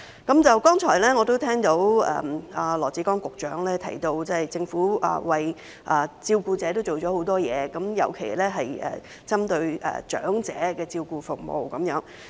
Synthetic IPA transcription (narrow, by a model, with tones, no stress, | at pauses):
kɐ˨˥mt͡sɐ˨wkɔː˥ŋt͡ʃʰɔː˨˩jlɛː˥ŋɔː˨˧t̪o˥wt̪ʰɛː˥ŋt̪o˨˥wɛ̰ː˨a˨lɔː˨˩t͡siː˨˥kɔː˥ŋkʊ˨k̚t͡ʃœ̰ː˨˥ŋlɛː˥t̪ʰɐ̰˨˩jt̪o˧wt͡sɐ˥˨jt͡sɪ˧ŋfuː˨˥ʔɐ̰ː˨˩wɐ˨j | ʔɐ˨t͡siː˧wkuː˧t͡sɛː˨˥t̪o˥wt͡ʃo˨wt͡ʃɔː˨˥ho˨˥wt̪ɔː˥jɛ̰ː˨˧kɐ˨˥mjɐ̰˨˩wkʰe˨˩jlɛː˥ɦɐ˨jɛ̰ː˨˩ | t͡sɐ˥mt̪ɵ˧ɥɛ̰ː˨t͡ʃœ̰ː˨˥ŋt͡sɛ̰ː˨˥kɛː˧t͡siː˧wkuː˧fʊ˨k̚mo̰˨wkɐ˨˧˥mjœː˨˥ŋ